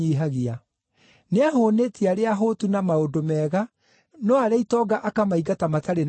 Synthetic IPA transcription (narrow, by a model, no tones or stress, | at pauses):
iɦaɣia | neaɦonetʰiaɾeaɦoːtunamaodomɛːɣa | nɔaɾɛitɔɡaʔakamaiɡatamataɾen